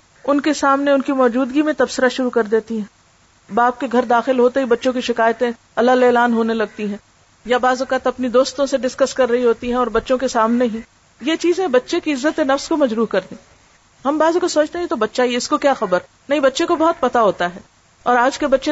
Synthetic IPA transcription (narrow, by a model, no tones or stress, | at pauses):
ʊnkesaːmneʊnkimɔːd͡ʒuːd̪ɡimẽt̪ɐbsɪɾaʃʊɾukɐɾd̪eːt̪iɦɛ̃ː | baːp̚keɡʱɐɾd̪aːxɪlɦoːt̪eɦibɐtːʃõkiʃɪkaːjət̪ẽ | ɐlːaleːlaːnɦoːnelɐɡ̚t̪iɦɛ̃ː | jabaːzʊkaːt̪ɐpnid̪oːst̪õseɖɪskəskɐɾːɐɦiɦoːt̪iɦɛ̃ɔːɾbɐtːʃõkesaːmneɦi | jet͡ʃiːzẽbɐtːʃekiɪzːət̪enɐfskomɐd͡ʒɾuːɦkɐɾd̪ĩː | ɦɐmbaːzõkosoːt͡ʃt̪eɦɛjet̪obɐtːʃaieɪskokjaːxɐbəɾ | nɐɦĩbɐtːʃẽkobɐɦʊt̪̚pɐt̪aɦoːt̪aɦɛː | ɔːɾaːd͡ʒkebɐtːʃe